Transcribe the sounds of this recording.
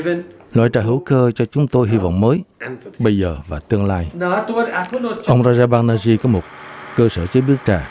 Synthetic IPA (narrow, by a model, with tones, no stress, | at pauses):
lwa̰ː˧˨jt͡ɕa̰ː˨˩ɦɨ˧˩˥wkəː˧t͡ɕɔ˧t͡ɕʊ˨˦ŋ͡mt̪o˧jɦi˧vɔ̰˧˨wŋ͡mməː˨˦jɓə˧jzəː˨˩vaː˨˩t̪ɨ˧əŋlaː˧jt̪ʔə˧wŋ͡mzaː˧zaː˧ɓaː˧ŋnaː˧zi˧kɔ˨˦mo˨˩t̚kəː˧sə̰ː˧˩t͡ɕə˨˦ɓi˦˥ək̚t͡ɕaː˨˩